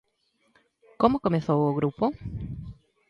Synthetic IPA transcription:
komokomeθowoɣɾupo

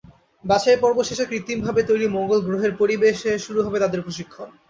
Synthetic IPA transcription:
baʃaepɔɾboʃeʃekɾit̪ːimbʱabet̪ojɽimoŋɡolɡɾoɦeɾpoɾibeʃeʃuɾuɦɔbet̪ad̪eɾpɾoʃikʰːon

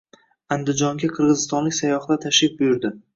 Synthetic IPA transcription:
and̪ɪd͡ʒɒŋɡʲaqʰɨɾʁɨzɪst̪ɒnlɪkʲsajɒχd̪at̪ʰaʃlɪfbʊjʊɾd̪ɪ

